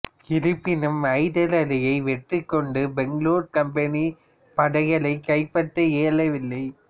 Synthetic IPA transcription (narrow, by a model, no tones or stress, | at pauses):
kɪɾɯpːɪnɯmɐɪðɐlɐlɪjɐɪʋɛʈrɯkːɔɳɖɯbɛŋɡluːɾkɐmpɐni | pɐɽɐɣɐɭɐɪkːɐɪpːɐʈːɐeːɭɐʋɪlːɐɪ